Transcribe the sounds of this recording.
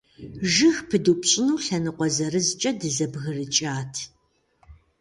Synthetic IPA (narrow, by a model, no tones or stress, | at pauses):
ʒɨxpʰɨduːpʼɕʼɪnuːɬɐnɨqʷɔzɐrɨzt͡ʃʼɐdɨzɐbɣɨrɨt͡ʃʼaːtʰ